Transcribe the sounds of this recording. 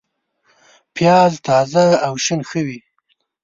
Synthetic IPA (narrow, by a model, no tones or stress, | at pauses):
pʰjɑzt̪ɑzaːwʃənxəwi